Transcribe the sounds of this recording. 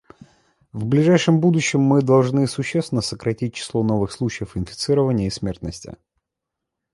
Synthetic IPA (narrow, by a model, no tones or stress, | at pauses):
vblʲɪʐajʂɨmbud̪ʊɕːɪmːɨd̪ɐlˠʐnɨsʊɕːesvʲɪnəsəkɾɐtʲit̚ʲt͡ɕɪ̥slˠo̞no̞vɨxslˠut͡ɕɪjəfɪnfʲɪ̥t̪sɨɾəvənʲɪjəɪsmʲe̞rt̪nəsʲtʲɪ̰